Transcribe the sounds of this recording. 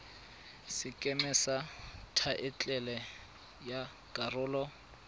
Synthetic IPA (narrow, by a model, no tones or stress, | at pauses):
sɪkʼɛmɛsatʰaʔɪt͡ɬʼɛlɛ | ja | kʼarʊːlɔ